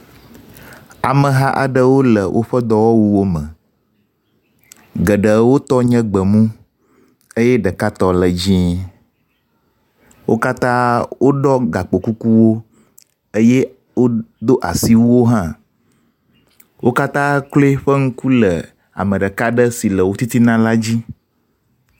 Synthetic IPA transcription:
a˨mə˨ɦa˦ʔa̰˨ɖə˦wo˦lə˨wʔo˦ɸə˦d̪ɔ˦wɔ˦wu˦wo˦mə̃˨ | ɡə˨ɖə˨wo˦t̪ɔ˦ɲə̃˦ɡ͡bə˨mũ˦ | ə˦jɛ˦ɖə˨ka˦t̪ɔ˦lə˨d͡ʑĩ˦ | wʔo˦ka˦t̪ã˦wʔo˦ɖɔ˦ɡa˨k͡po˨ku˦ku˦wo˦ | ə˦je˦ | wo˦d̪o˦ʔa˨si˦wu˦wo˦ɦã˦ | wo˦ka˦t̪ã˦kle˦ɸə˦ŋu˦ku˦lə˨ | a̰˨mə̃˨ɖə˨ka˦ɖə˦si˨lə˨wo˦t̪i˦t̪i˦nã˦la˦d͡ʑi˦

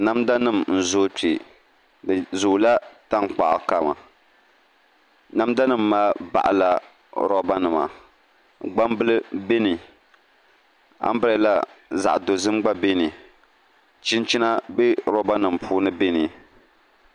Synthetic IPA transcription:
na˦mda˦nɨ˦˨mn̩˨zo˦ti˨ | dɨ˨zu˨la˦ta˦ŋ˨k͡pa˨ʔka˨ma̰˨ | na˦mda˦nɨ˦mːaː˦ba̰˨ʔla˨ | ɾɔ˦ba˦nɨ˨ma̰˨ | ɡ͡ba˦mbɨ˦lɨ˦be˦ni˨ | a̰˦m˦ba˨˦la˦za̰˨ʔdo˨zɨ˦mɡ͡ba˦be˦ni˨ | t͡ʃi˦nt͡ʃi˦na˦bɛ˦ɾɔ˦ba˦nɨ˨mpʰuː˦nɨ˦be˦ni˨

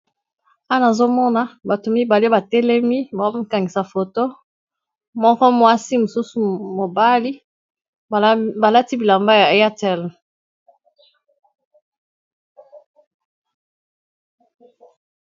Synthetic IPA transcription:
a˦na˨zo˦mɔ˦na˦ba˨to˨mi˦ba˨li˦ba˨tɛ˦lɛ˦mi˦ba˨o˦ka˨ŋɡi˨sa˨fo˨to˦ | mɔ˦kɔ˦mwa˦si˦mo˨su˦su˨mo˨ba˦li˦ | ba˨la˦ti˦bi˨la˨mba˦ja˨ja˦tɛ˨l

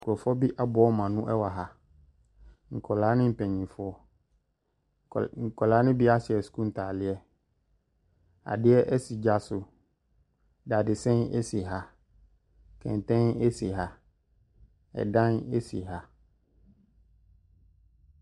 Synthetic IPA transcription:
kɔ˨fɔ˦bi˦ʔa˦bʊ˨˦ɔ˦mã˨nʊ̃˦ʔɛ˦wa˨ɦa˨ | ŋ̩˨kʰɔ˨la˨˦nɪ̃˦m̩˨pɛ̃˨ɲĩ˨fɔ˦ | ŋ̩˨kɔ˨laː˦nɪ̃˦bɪ˦a˦sɪ˨ɛ˨su̥˨kũ˦n̩˨tʰaː˨lɪ˦ɛ˦ | a̰˨dɪ˦ɛ˦ʔɛ˦si˨d͡ʑa˨sʊ˨ | da˨dɪ˨sɛ̃˦ne˦si˨ɦa˨ | kʰɛ̰̃˨n˨tɛ̃˦ne˦si˨ɦa˨ | ɛ̰˨dã˦ne˦sḭ˨ɦa˨

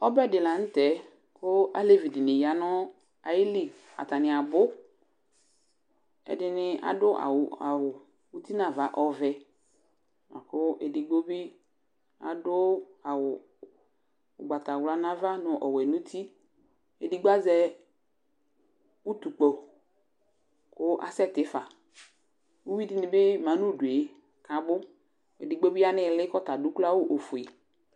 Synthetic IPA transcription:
ɔ˦bɛ˦˨dɪ˨la˨n̩˦tɛ˨˦ | kʰʊ˦a̰˦le˦vi˨di˨nɪ˨ja˨nɔ˦ | a˨jɪ˦li˦ | a̰˨ta˨nɪ̃˨a˨bʊ˦ | ɛ̰˨dɪ˦nɪ˦a̰˨dʊ˦ʔa̰˨wa˨wʊ˨ | u˦ti˦na˨va˨˦ʔɔ˨vɛ˨ | ma̰˨kʊ˦ʔe˨di˨ɡ͡bo˦bi˦ | a̰˨dʊ˦a˨wʊ˨ | ʊ˨ɡ͡ba˨ta˨wla˨˦na˦va˦nʊ˨ʔɔ˨wɛ˨nũ˦t̪ʰi˦ | e˨di˨˦ɡ͡ba˦zɛ˦ | u˦t̪u˨k͡pɔ˨ | kʊ˦ʔa̰˨sɛ˦˨tɪ˨˦fa˨ | u˦wi˦di˦nɪ˨bɪ˦mã˨˦nu˦˨du˨e˨ | ka˨bʊ˦ | ḛ˨dɪ˨ɡ͡bo˦bi˦a˦nɪ˨lɪ˦kɔ˦ta˨du˨˦kla˦wʊ˦ʔo˨fʊ˨e˨

